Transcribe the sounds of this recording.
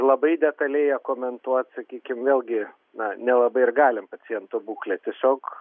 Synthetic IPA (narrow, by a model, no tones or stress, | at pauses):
lˠɐbɐɪd̪ʲɛt̪ɐlʲeɪjɛkoːmʲɛnt̪uɔt̪sɐkʲiːkʲɪmʋʲeːlʲˠɡʲɪ | nɐnʲɛlˠɐbɐɪɪrɡɑːlʲɪmpɐt͡s̪ʲɪjɛnt̪obuːklʲɛt̪ʲiɛsʲoːk